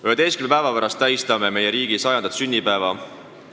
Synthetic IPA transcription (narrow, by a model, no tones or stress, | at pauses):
yed̪e̞jstkymnmepæevɑpæɾɑst̪ːæjst̪ɑme̞me̞jeɾiːɡ̥isɑjɑnd̪ɑt̪synʲːipæevɑ